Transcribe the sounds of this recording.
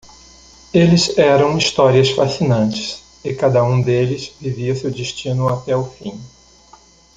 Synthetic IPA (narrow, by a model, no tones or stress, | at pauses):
elɪzɛɾɐ̃w̃ist̪ɔɾiɐsfasinɐ̃nt͡ʃɪ̥s | ɪkad̪ɐũd̪elɪzviviɐsewd͡ʒɪʃt͡ʃĩnʊat̪ɛʊfĩ